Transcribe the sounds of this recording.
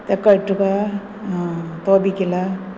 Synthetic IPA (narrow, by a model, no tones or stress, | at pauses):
t̪ekːɐʈːuka | t̪oːbikʲːila